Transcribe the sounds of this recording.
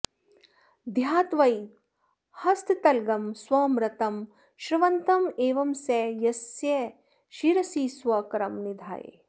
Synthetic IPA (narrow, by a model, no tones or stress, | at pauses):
d̪ʱjaːt̪ʋɐj | hɐst̪t̪ɐlɡɐmswɐːmɾɐt̪ɐm | ʃɾɪʋɐnt̪ɐmeːʋɐmsɛːjɐsjɐ | ʃiɾɐsiːsʋɐkɐɾɐmnid̪ʱa̰ːjḛ